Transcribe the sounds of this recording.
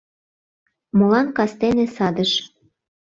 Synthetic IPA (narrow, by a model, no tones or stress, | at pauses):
molɑnkɑst̪enesɑd̪əʃ